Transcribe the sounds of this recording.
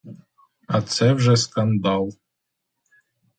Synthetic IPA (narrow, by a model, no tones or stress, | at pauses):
at̪sɛvʒɛskand̪alˠ